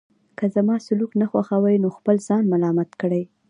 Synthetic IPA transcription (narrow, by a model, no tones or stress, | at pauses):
kəzamɑsʊluknaxwaxawajnoxpəlz̥ɑnmalɑmat̪kəɽəj